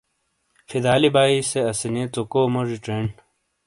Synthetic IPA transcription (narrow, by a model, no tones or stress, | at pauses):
fʰid̪aːlibaːiseɐsinet̪okoːmoʐiʈ͡ʂeɳ